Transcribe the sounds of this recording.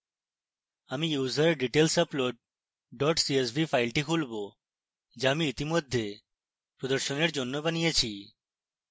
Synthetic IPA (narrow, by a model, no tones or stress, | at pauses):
amijuːzəɾɖiʈelsəploʈ̚ | ɖɔʈsies̬bʱifajlʈikʰulbo | d͡ʑamiit̪imod̪ʱːe | pɾod̪əɾʃoneɾd͡ʑonːobanijet͡ɕʰi